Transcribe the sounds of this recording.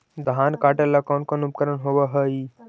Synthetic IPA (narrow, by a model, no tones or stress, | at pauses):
d̪ɦaːnkaʈelakɔnkonup̚kəɾənɦoʋəɦəi